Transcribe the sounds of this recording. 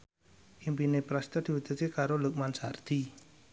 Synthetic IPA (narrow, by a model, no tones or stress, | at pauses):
ʔimpinepɾast̪ərd̪̥i̤wud̪̥ə̤t̪̚ekaɾoluk̚mansard̪̥i